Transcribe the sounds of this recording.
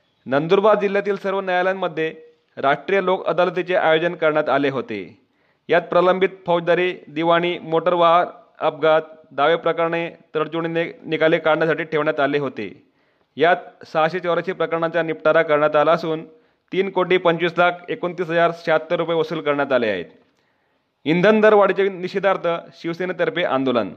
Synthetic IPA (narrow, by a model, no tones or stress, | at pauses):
nənd̪uɾbad̪̚d͡ʑil̤jat̪iːlsəɾʋənəjaljanːəd̪ʱːje | ɾaʂʈɾijəlokə̰d̪alət̪̬it͡seʔajod͡zənkəɾɳjat̪aleɦot̪ḛ | jat̪̚pɾaləmbʱit̪̚fəwd͡ʑd̪aɾiːd̪iʋaɽ̃iːmoʈəɾʋaɦn | əp̚ɡat̪̚d̪aʋepɾəkaɾɳet̪əɽt͡ɕuɳ̃inikalekaɾɳjasaʈiːʈʰeʋɳjat̪aleɦot̪ḛ | jat̪̚saɕet͡ɕəʋɾəɕiːpɾəkəɾɳat͡ɕjanipʈaɾakəɾɳjat̪alaəsuːn | t̪iːnkoʈiːpəɲt͡ɕʋiːslakʰekont̪iːsɦəd͡zaɾɕat̪ːəɾupjeʋəsuːlkəɾɳjat̪alea̰ɦḛt̪ | ind̪ʱənd̪əɾʋaɽit͡ɕeniɕid̪ʱaɾt̪ʰəɕiʋsenet̪əɾpeʔã̰nd̪olə̰n